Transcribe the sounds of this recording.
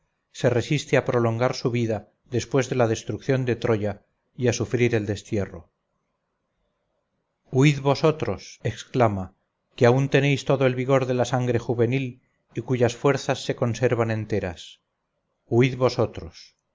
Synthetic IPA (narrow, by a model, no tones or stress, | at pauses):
se̞re̞sist̪eapɾo̞lo̞ŋɡaɾsuβiða | ðe̞spwe̞zðe̞lað̞e̞st̪ɾukθjo̞nd̪e̞t̪ɾo̞ʝa | iasufɾiɾe̞ld̪e̞st̪je̞ro̰ | uiðβo̞so̞t̪ɾo̞se̞ksklama | keaunt̪e̞nejst̪o̞ðoelβiɣ̞o̞ɾðe̞lasaŋɡɾe̞xuβe̞nil | ikuʝasfwe̞ɾθasːe̞ko̞nse̞ɾβanẽ̞nt̪e̞ɾa̰s | uiðβo̞so̞t̪ɾo̞s